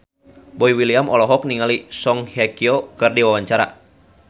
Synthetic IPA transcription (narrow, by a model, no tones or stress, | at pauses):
boiwiliamʔɔlɔɦɔk̚niŋalisɔŋhɛkiɔkɨrdiwawaɲt͡ʃaɾa̰